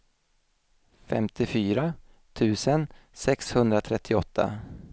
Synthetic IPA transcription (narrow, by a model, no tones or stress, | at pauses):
fɛ̰mt̪ʰɪfyːɾa | t̪ʰʉ̟ːsənsɛkshɵnd̪ɾat̪ʰɾɛt̪ʰːɪɔt̪ʰːa̰